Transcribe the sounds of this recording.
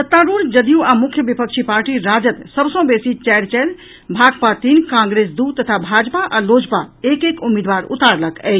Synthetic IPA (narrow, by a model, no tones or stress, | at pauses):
sət̪ːaɾuɾd͡ʒəd̪ijuamukʰjəbipəkt͡ʃʰipaɾʈiɾad͡ʒət̪səbsə̃besit͡ʃɛɾt͡ʃɛɾ | bʱaɡpat̪inkãŋɡɾesd̪ut̪ːət̪ʰabʱad͡ʒpaʔalod͡ʒpaekekumːid̪ʋaɾṵt̪aɾləkɛ̰ɪt͡ʃʰ